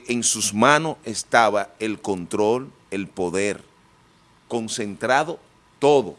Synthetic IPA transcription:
ʔeŋsusmãnosest̪aβae̞lko̞nt̪ɾo̞l | elpo̞ðeɾ | ko̞nse̞nt̪ɾaðo̞ | t̪oðo̰

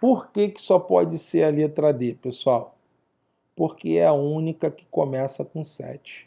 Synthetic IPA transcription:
poɾkekɪ̥sɔpɔ̰d͡ʒɪseɾɐliat̪ɾad̪epesuaw | poɾkeɛɐũnikɐkɪ̥komɛsɐkõsɛ̰t͡ʃɪ̥

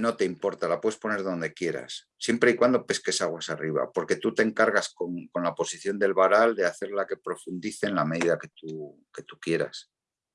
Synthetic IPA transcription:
no̞t̪eimpo̞ɾt̪alapwe̞ðespo̞ne̞ɾðo̞nd̪e̞kje̞ɾa̰sːje̞mpɾe̞ikwand̪o̞pe̞ske̞saɣ̞wasariβa̰po̞ɾke̞t̪ut̪e̞ŋkaɾɣasko̞ŋko̞nlapo̞siθjo̞nd̪e̞lβaɾald̪e̞aθe̞ɾlake̞pɾo̞fund̪iθe̞nlame̞ðiðake̞t̪uke̞t̪ukje̞ɾa̰s

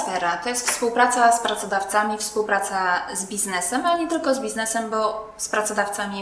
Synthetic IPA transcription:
fɛɾat̪ɔjest̪fspuwpɾat̪saspɾat̪sɔd̪aft̪samʲifspuwpɾat̪sazbʲiznɛsɛmaɲɛt̪ɘlkɔzbʲiznɛsɛmbɔ | spɾat̪sɔd̪aft̪samʲi

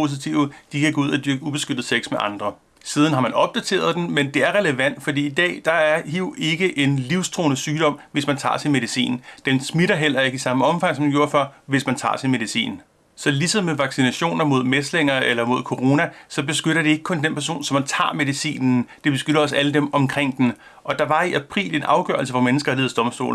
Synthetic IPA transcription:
po̝s̬it͡sʰiʊd̥ikʰæɡ̥ɔ̽uð̞̰ˠæd̥yɐɡ̥əub̥e̝sɡ̥øɾ̥ð̩ˠseɡ̥smeʔɑ̈nd̥ʁɐ | siːð̞ˠn̩ɦɑ̈mænɒ̽b̥̚d̥æt͡sʰe̝̰ːɐð̞ˠd̥enmend̥e̝æɐʁɛləʋæn̰d̥fɒ̽d̥ḭːid̥ɛ̰ːd̥ɑ̈æɐhiʊ̰e̝ɡ̥əʔe̝nliʊst͡sʰʁo̝ːnəsyːɾ̥ɒ̽m̰ʋe̝smænt͡sʰɑ̰̈ːsinme̝ðisḭːnd̥emsmiɾɐɦel̰ɐe̝ɡ̥isɑ̈məɒ̽mfɑ̈ŋ̰sɒmd̥ɡ̥o̝ɐ̰fɶɐ̰ʋe̝smænt͡sʰɑ̰̈ːsinme̝ð̞ˠisḭːn | sɒ̽lisɒmeʋɑ̈ɡ̥sinæɕo̝̰ːnɐmo̝ð̞̰ˠmesle̝ŋ̰ɐelɐmo̝ð̞̰ˠkʰo̝ʁo̝ːnæsɒ̽b̥e̝sɡ̥øɾ̥ɐd̥e̝e̝ɡ̥əkʰɔ̽nd̥enpʰæɐs̬o̝̰ːnsɒ̽mːænt͡sʰɑ̰̈ːme̝ðˠisḭːnn̩d̥e̝b̥e̝sɡ̥øɾɐɒ̽s̬æləd̥emɒ̽mkʰʁeŋ̰d̥en | ʔɒ̽d̥ɑ̈ʋɑ̈iʔæpʰʁḭːle̝nʔɑ̈ʊɡ̥ɶ̰ɐl̩səfɒ̽menəsɡ̥ɐæleːðˠd̥ɒ̽msd̥o̝̰ːln̩

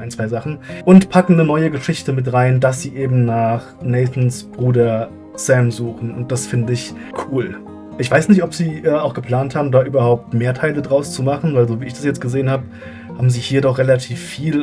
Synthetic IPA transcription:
ʔaɪnt͡sv̥aɪzaχn̩ʔʊntpʰakŋ̩nənɔʏəɡəʃɪçtəmɪtʁaɪndas̬z̥iːʔeːbm̩naːχnɛɪθn̩sb̥ʁuːdɐ | sɛmzuːχn̩ʊ̰nt̚d̥asfɪndəɪç | kʰuːl | ʔɪçv̥aɪsnɪçtɔpz̥iːʔɛːaʊxɡ̥əpl̥aːnthaːbm̩daːʔyːbɐhaʊp̚tmeːɐtʰaɪlədʁaʊst͡sumaχn̩vaɪlzoːviːɪçd̥asjɛt͡st̚ɡ̥əzeːənhaːbə | haːbm̩ziːhiːɐdɔχʁ̥elatʰiːfːiːl

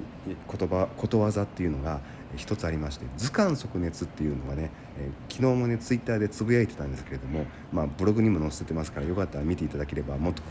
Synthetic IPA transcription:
kot̪obako̞t̪o̞βazat̪ːe̞jɯ̟noɡa | çi̥t̪o̞t͡sɨaɾʲimaɕi̥t̪e̞d͡zɨkãɰ̃so̞kɯ̟ne̞t͡sɨt̪ːe̞jɯ̟ːno̞ɡane | kʲino̞ːmo̞ne̞t͡sɨit̪ːaːd̪e̞t͡sɨbɯ̟jait̪e̞t̪ãnd̪esɨ̥keɾe̞d̪o̞mo̞ | maːbɯ̟ɾo̞ɡɯ̟ɲ̟imo̞no̞sɨ̥set̪e̞masɨ̥kaɾajo̞kat̪ːaɾamʲit̪e̞it̪ad̪ake̞ɾe̞bamo̞t̪ːo

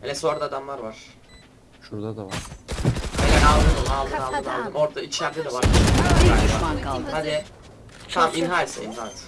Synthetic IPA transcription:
elʲɛso̞nɾad̪ad̪amlˠaɾvaɾ̥ | ʃuɾd̪ad̪aɾ | elɛnalˠd̪ɯd̪ɯmalˠd̪ɯnalˠd̪ɯnma̰lˠd̪ɯmo̞ɾd̪ait͡ʃʰlæɾd̪ɛd̪ɛvaɾaahad̪ɪ | t̪ʰaminɦajsɛḭnɦat̪

